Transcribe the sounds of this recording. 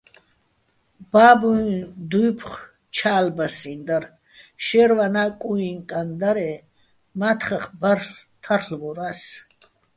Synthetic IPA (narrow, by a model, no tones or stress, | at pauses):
b̥aːbud̪ujpʰχ | t͡ʃʰaːlbasind̪aɾ | ʃɛɾvanakʼuiŋkʼand̪aɾɛ | mat̪ʰχaχbar | t̪ʰarɬvɔɾas